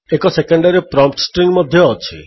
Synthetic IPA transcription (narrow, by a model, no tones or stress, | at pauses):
ekɔsekɔɳɖaɾipɾɔmp̚ʈsʈɾiŋɡmɔd̪ʱjɔːt͡ʃʰḭ